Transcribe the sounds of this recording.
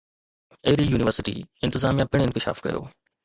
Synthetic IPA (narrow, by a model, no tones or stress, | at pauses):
eːɾijuːnɪʋəɾsɪʈḭːɪ̃nt̪ɪzaːmijãpɪɽ̃ɪ̃nkɪʃa̰ːfkɐ̰jo̰ː